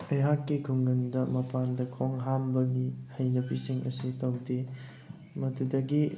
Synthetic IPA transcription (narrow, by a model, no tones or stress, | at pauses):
ɐjɦakːiɡʰuŋɡɐndɐmɐpandɐkʰoŋɦambɐɡihɐjnɐbisiŋɐ̰sutɐwde | mɐtudɐɡi